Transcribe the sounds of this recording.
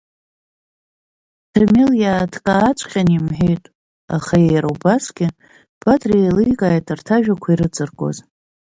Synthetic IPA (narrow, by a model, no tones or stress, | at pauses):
tʰarmiljaːtʰkʼaːt͡ʃʷʰʼqʲanimħᶣejtʼ | a̰χajejɾawbasɡʲɪ | b̥atʰʼrijlɨjkʼaːjtʰʼartʰaʒᶣakʷʰaiɾɨt͡sʼɨrkʼo̞̰z